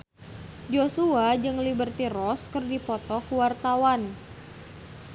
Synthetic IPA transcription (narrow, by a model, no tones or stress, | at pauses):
d͡ʒosuad͡ʒɨŋlibərt̪iɾɔskɨrdipɔt̪ɔkuwart̪awan